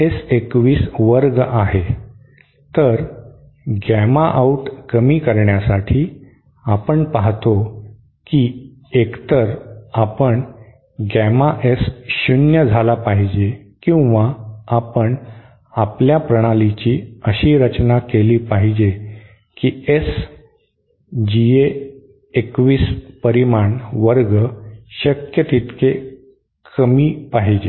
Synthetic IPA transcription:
esekʋiːsʋəɾɡaɦe | t̪əɾ | ɡɛmaʔauʈkəmiːkəɾɳjasaʈʰiː | apəɳpaɦt̪o | kiː | ekt̪əɾapəɳ | ɡɛmaʔesɕunjəd͡zʱalapaɦid͡ʑekĩw̃ʋaapəɳ | apljapɾəɽ̃alit͡ɕiːəɕiːɾət͡ɕnakeliːpaɦid͡ʑe | kiːes | d͡ʑie | ekʋiːspəɾimaɳʋəɾɡəɕəkjət̪it̪ke | kʰəmiːpaɦid͡ʑe

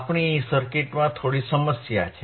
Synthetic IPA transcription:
pɳ̃isəɾkeʈmãt̪ʰoɽisəməsja̰t͡ʃʰe

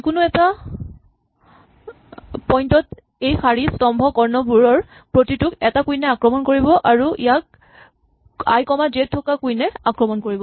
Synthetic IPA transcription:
kʊnʊɛta | pɔjntɔt | ejxʰaɹistɔmbʱɔkɔɹnɔbuɹɔɹ | pɹotitʊkɛtakujnɛakɹɔmɔnkoɹibɔʔaɹuḭjak̚ | a̰jkɔmazet̚tʰːɔkakujnɛakɹɔmɔnkoɹibɔ

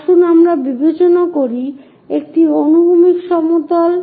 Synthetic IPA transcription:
ʃunamɾabibʱet͡ɕonakoɾi | ek̚ʈionubʱumikʃɔmot̪al

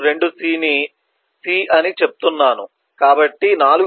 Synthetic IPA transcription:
ɾe̞ɳɖusiːni | siːʔɐnit͡ʃe̞p̚u̥t̪unːaːnu | kaːbɐʈːinaːluɡ

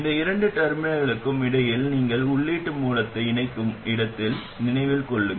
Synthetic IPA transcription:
ɪnd̪ɐɪɾɐɳɖɯʈɐɾmɪnɐɣɐɭɯkːɯmɪɽɐjɪlniːŋɡɐɭʊɭːeːʈːɯmuːlɐt̪ːɐɪɪnɐɪkːɯmɪɽɐt̪ːɪl | nɪnɐɪʋɪlkɔɭːɯŋ

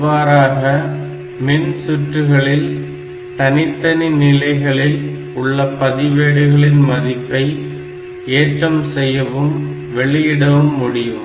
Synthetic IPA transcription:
ʋaːɾaːɣɐ | mɪnsʊʈrɯɣɐɭɪl | t̪ɐnɪt̪ːɐninɪlɐɪɣɐɭɪl | ʊɭːɐpːɐðɪʋeːɽɯɣɐɭɪnmɐðɪpːɐɪ | eːʈrɐmsɛjːɐʋɯm | ʋɛɭɪjɪɽɐʋɯmːʊɽɪjɯm

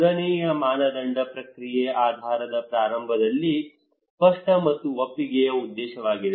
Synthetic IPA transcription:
d̪ɐnɛːjɐmaːnɐd̪ɐɳɖɐpɾɐkɾijeʔaːd̪ʱaːɾɐd̪ɐpɾaːɾɐmbʱɐd̪ɐlːi | pɐʂʈɐmɐt̪ːuʋɐpːiɡɛjɐud̪ːɛːʃɐʋaːɡid̪e

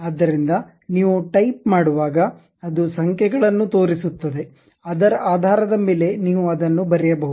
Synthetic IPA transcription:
aːd̪ːɐɾind̪ɐ | niːʋuʈɐjp̚maːɽuʋaːɡɐː | d̪usɐŋkʰjɛɡɐɭɐnːut̪o̞ːɾisut̪ːɐd̪e̞ | ɐd̪ɐɾɐʔaːd̪ʱaːɾɐd̪ɐmeːle̞niːʋuɐd̪ɐnːubɐɾɛjɐbɐɦuu

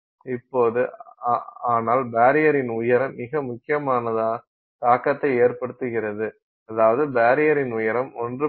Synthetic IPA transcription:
ɪpːoːðɯ | aːnaːlbaːɾɪjɐɾɪnʊjɐɾɐmːɪɣɐmʊkːɪjɐmaːnɐða | t̪aːkːɐt̪ːɐɪeːɾpɐɽɯt̪ːɯɣɪɾɐðɯ | ɐðaːʋɐðɯbaːɾɪjɐɾɪnʊjɐɾɐmɔndrɯ

